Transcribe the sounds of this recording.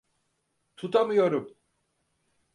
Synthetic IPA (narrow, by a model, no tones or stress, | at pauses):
t̪ʰut̪ʰamɯjo̞ɾum